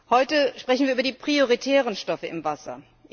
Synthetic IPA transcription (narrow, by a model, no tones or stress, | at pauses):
hɔʏtəʃpʁ̥ɛçn̩viːʔːbɐdiːpʁ̥ioʁitʰɛːʁ̞ənʃtɔfəɪ̰mvasɐ̰